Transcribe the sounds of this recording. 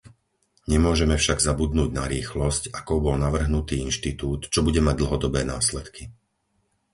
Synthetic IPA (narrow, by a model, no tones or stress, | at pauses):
ɲɛmʊɔʒɛmɛfʃaɡzabud̪nuːɟnaɾiːxlɔscakɔʊbɔlnaʋr̩ɦnut̪iːinʃt̪it̪uːt̪t͡ʃɔbuɟɛmaɟ̚d̪l̩ɦɔd̪ɔbɛːnaːslɛt̪ki